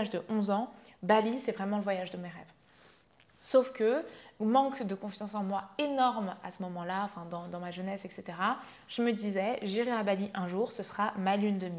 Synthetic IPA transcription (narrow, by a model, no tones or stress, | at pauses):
aʒd̪əʔɔ̃zɑ̃balisɛvʁɛmɑ̃ləvwajaʒd̪əmeʁɛv | sofkəmɑ̃kd̪əkɔ̃fjɑ̃sɑ̃mwaenɔʁmasəmɔmɑ̃laɑ̃fɛ̃d̪ɑ̃d̪ɑ̃maʒənɛsɛkset̪eʁa | ʒ̥əməd̪izɛʒiʁeabaliʔɛ̃ʒuʁsəsəχamalynd̪əmi